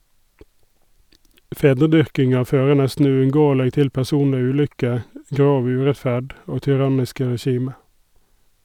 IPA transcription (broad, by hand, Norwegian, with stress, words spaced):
ˈfeːdəˌdʏʁkɪŋɑ ˈføːʁə ˈnɛstn̩ ʉʉnˈɡoːəlɛɡ ˈtɪl pæʁˈsuːnlɛ ˈʉːˌlʏkə ˈɡɾoːʋ ˈʉːɹɛtˌfæd ˈoː tʏˈʁɑnɪskə ɹɛˈʃiːmə